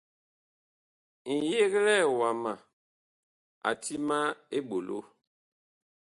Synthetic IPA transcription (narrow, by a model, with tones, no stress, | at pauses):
n̩˨je˦ɣlɛ˦˨wa˨ma˨ | a̰˨tʰi˦ma˦e˦ɓo˨lo̰˦